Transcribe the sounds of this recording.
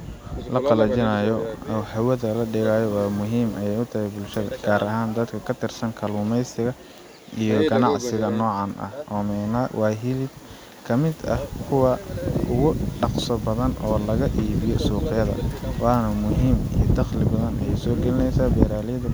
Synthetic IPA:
lɐqɑlɐt͡ʃɪnɐjɔɐwhɐwɐðɐlɐɖɪɣaːjɔwɑːmʊɦiːmʔɐjɛjʊt̪ʰɐhɛjbʊlʃɐðɐ̰ɡ̥aːɾʔɐɦaːnd̪ɐd̪kʰɐkʰɐt̪ʰɪrsɐŋkʰɐluːmɛjsɪɣɐ | ʔijɔɡɐnɑʕsɪɣɐnɔːʕɑnʔɐ̰hɔːmɛnɐwʔɑːɦɪlɪb | kʰɐmɪd̪ɐ̰hkʰʊwɐʊɣʊɖɑqsɔbɐðɐnɔːlɐɣɐʔiːβɪjɔsuːqɪjɐðɐ̰wɑːnɐmʊɦiːmḭjd̪ɑqlɪbɐðɐnɐ̰jɛjsɔːɡɛlɪnɛjsaːbɛːɾaːljɐðɐ

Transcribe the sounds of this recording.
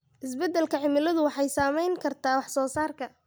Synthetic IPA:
ʔɪs̬bɛd̪ːɛlkʰɐʕɪmɪlɐðʊwɑħɑjsaːmɛjŋkʰɐrt̪ʰaːwɑħsɔːsaːrkʰɐ

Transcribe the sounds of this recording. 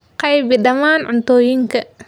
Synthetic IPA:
qɐjbɪɗɐmaːnʔʊnt̪oːjiŋkɐ

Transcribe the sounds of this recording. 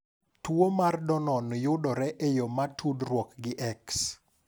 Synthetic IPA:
twomardɔnɔnjʊdɔɾɛʔejomatʰudrwokɡɪʔɛks

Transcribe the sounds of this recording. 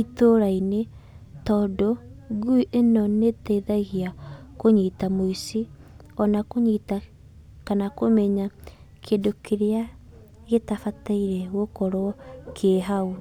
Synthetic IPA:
itoɾaine | tɔːdoɡuiʔenɔnetɛiðaɣiakoɲiːtamoisi | ɔnakoɲita | kanakomɛɲa | kʰedokʰeɾea | ɣetafataiɾɛɣokɔɾwɔkʰeɦau

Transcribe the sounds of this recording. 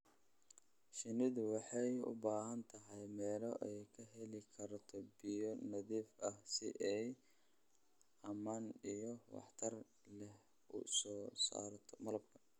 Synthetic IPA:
ʃɪnɪðʊwɑħɑjʊ̰baːɦɐnt̪ʰɐɦɛjmɛːlɔʔɛjkʰɐɦɛlɪkʰɐɾt̪ʰɔbijɔnɐðiːfʔɐhsɪ̰ʔɛj | ʔɐmaːnijɔwɑ̰ħt̪ʰɐr | lɛ | ʊ̰sɔːsa̰ːɾt̪ʰɔmɐlɐb̚kʰɐ

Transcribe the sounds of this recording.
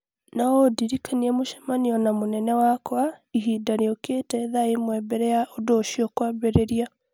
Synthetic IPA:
naodiɾikʰaniɛmoʃɛ̥maniɔnamonɛnɛwakwaiɦiːdaɾeoketɛðaemwɛbɛɾɛjaʔodoːʃiɔkwabɛɾeɾia

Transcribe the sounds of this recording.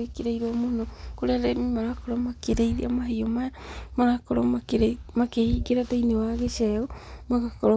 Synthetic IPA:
ekeɾejɾomohnokoɾeaɾemimaɾakoɾomakeɾejɾḭa̰maɦiomaamaɾakoɾo̰maeɾmakehiɡeɾatojnewaɡeseumaɡakoɾo

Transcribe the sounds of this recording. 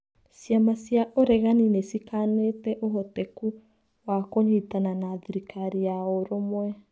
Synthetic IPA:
sjamasjaʔoɾɛɣaninesikanetɛʔoɦɔtɛku | wakoɲitananaðiɾikaɾiaoɾomwɛ

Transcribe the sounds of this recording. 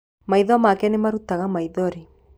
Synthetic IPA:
maiðwamakɛnemaɾutaɣamaiðɔɾi

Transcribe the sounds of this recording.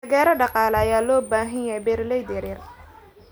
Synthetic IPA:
ɐɣɛːɾɐɖɑqɑːlɛɐjaːlɔːbaːɦɪjjɛjbɛːrlɛjd̪ɪɾɪr

